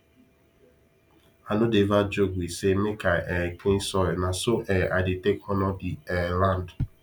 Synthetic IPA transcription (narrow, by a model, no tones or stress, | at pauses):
anʊdevad͡ʒoɡʷisemɪkaʔɛkinsɔɾnasoʔɛʔadɪtekɔnɔdiɛland